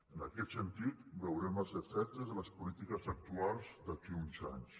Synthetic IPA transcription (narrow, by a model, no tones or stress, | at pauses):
ənəkɛt̪sənt̪it̪bəwɾɛməsəfɛt̪əzðələspulit̪ikəzək̚t̪ualˠzd̪əkiunza̰ɲs